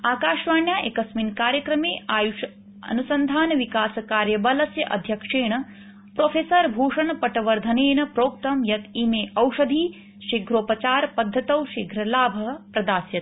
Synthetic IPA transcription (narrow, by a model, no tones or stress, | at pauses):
aːkaːʃʋaːɳjaːʔekɐsminkaːɾjɐkɾɐmeːaːjuʂ | ɐ̰nusɐnd̪ʱaːnɐʋikaːsɐkaːɾjɐbɐlɐsjɐʔɐ̰d̪ʱjɐkʂeːɳɐ | pɾoːfʰeːsɐɾbʱuːʂɐɳɐpɐʈɐʋɐɾd̪ʱɐneːnɐpɾoːk̚t̪ɐmjɐt̪imeːʔɐwʂɐd̪ʱiː | ʃiɡʱɾoːpɐt͡ʃaːɾpɐd̪ʱːɐt̪ɐwʃiɡʱɾɐlaːbʱɐɦpɾɐd̪aːsjɐt̪